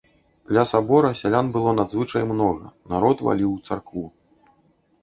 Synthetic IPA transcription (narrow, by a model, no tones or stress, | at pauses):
d̪lʲɐsabɔɾɐsʲalʲanbɨlˠɔnad̪zvɨt͡ʂɐjmnɔɣɐ̰naɾɔt̪va̰lʲiwt̪sa̰rkvu